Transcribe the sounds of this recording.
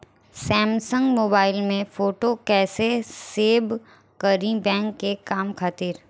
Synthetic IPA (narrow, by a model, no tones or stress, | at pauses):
sɛːmsə̃ŋɡmoːbaːɪlmẽfoːʈokɛːseseːb | kəɾĩbɛ̃ːŋkːekaːmkʰaːt̪iːɾ